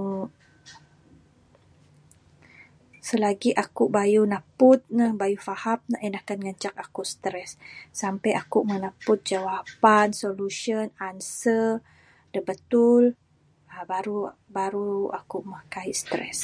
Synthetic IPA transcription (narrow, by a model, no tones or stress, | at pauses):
səlaɡiʔakuʔbajunapʊt̪̚nəhbajufahap̚naʔənakanŋəɲt͡ʃak̚akust̪ɾɛsːampajʔakuʔmənapʊt̪̚d͡ʒawapansoluʃənansə | dəbət̪ul | əbaɾu | baɾua̰kuʔməhkaiʔst̪ɾɛ̰s